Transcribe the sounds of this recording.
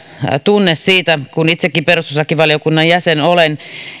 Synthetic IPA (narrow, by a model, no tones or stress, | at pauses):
t̪unːessiːt̪ækunit̪sekːiperususɑkːiʋɑliokunːɑjjæsenolen